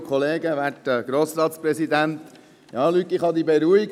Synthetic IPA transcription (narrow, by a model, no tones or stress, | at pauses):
kʰχɔleːɡəʋætəɡ̥ɾoːsɾɑːt̪spɾɛsid̪ænt̪ | jɑːlyt̪ɪχhɑd̪ibeɾuiɡ